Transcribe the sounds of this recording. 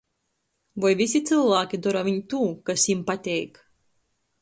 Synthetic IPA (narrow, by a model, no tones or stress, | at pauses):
vajvʲisʲit̪sɨlˠvaːkʲid̪ɔɾaviɲt̪uːkasjimpat̪ʲɛjk